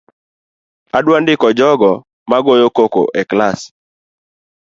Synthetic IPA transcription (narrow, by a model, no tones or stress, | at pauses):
adwandɪkɔd͡ʒɔɡɔ | maɡojokoko̰ʔeklas